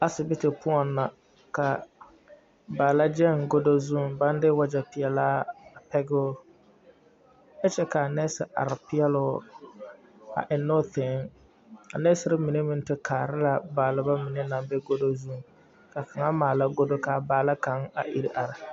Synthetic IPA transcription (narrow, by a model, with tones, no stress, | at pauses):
a˨sɪ˨bɪ˦tɪ˨pʊ˦ɔ˨nːa˨ | ka˨ | baː˨la˦d͡ʒɛ˦˨ŋɡo˦do˦zu˦˨ba˦n˦dɪ˦wa˦d͡ʒa˨pɪ˨ɛ˨laː˦a˨pɛ˦ɡʊ˦ | ɛ˦t͡ʃɛ˦ka˨nɛ˦sɪ˨ʔa̰˨ɾɪ˨pɪ˦ɛ˦lʊ˦ | a̰˨ʔɪ˨no˦θɪ˨ŋ˦ | a̰˨nɛ˦sɪ˦ɾɪ˦mɪ˨ne˦mɪ˦n˦tɪ˦kʰaː˨ɾɪ˦la˨baː˨lɪ˨ba˦mɪ˨ne˦na˨mbɛ˦ɡo˦do˦zu˦˨ŋ | ka˨ka˨ŋa˦maː˨la˦ɡo˦do˦ka˨baː˨la˦ka˨˦ŋa̰˨ʔi˦ɾi˦ʔa˨ɾɪ˨